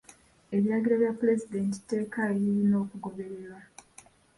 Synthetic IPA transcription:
e̞βiɾaɡiɾaβjapːuɾe̞zide̞nti̥tːe̞ːkaβiɾino̞ːkuɡo̞βe̞ɾe̞ɾwa

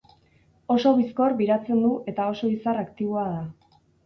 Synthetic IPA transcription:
o̞so̞βisko̞rβiɾat͡se̞nd̪uʔe̞t̪ao̞so̞isarakt̪iβ̞oaða

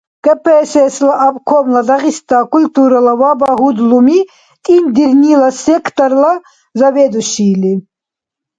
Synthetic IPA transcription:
kʼɛpʰɛsɛslaʔapkʰɔmlad̪aʁist̪aːkult̪ʼuɾalawabaɦud̪lumi | t̪ʼind̪iɾnilasɛkʰt̪ʼɔɾla | zavɛd̪uʃiːli

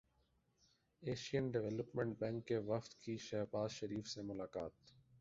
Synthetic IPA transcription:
eːʃijənɖɪʋɛləpmẽɳʈ̚bɛ̃ːŋkːeʋɐft̪kʰiːʃɛɦbaːzʃəɾiːfsemʊlaːkaːt̪

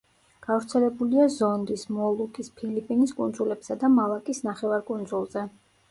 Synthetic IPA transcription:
ɡ̥avɾt̪sʰɛlɛbuliazɔnd̪ismɔlˠukʼispʰilipʼiniskʼund̪zulɛbsad̪amalˠakʼisnaχɛvaɾkʼund̪zulˠzɛ

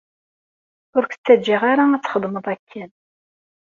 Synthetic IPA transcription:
ʊɾkə̥t͡sːæd͡ʒiʁaɾaæt͡sːχəðˤməðˤækʰːæn

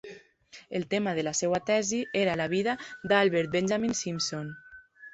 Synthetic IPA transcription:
elˠt̪emaðəlasewat̪ɛzieɾalaβ̞iðad̪alˠβeɾt̪̚benʒaminsimson

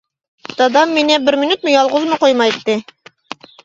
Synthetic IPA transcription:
t̪ɑd̪ɑmːinæbɘɾminʉt̪̚mɘ̆jɑlˠʁɤzmɤqojmɑit̪ːɘ

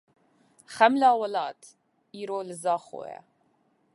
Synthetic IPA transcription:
χæmlaːwɔlɑːt̪ʰ | iːɾoːlɨzɑːχo̰ːjɛ̰

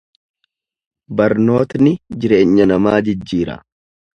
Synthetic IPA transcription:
bɐɾno̞ːt̪nɪd͡ʒɪɾe̞ːɲːɐnɐmaːd͡ʒɪd͡ʒːiːɾɐ̰

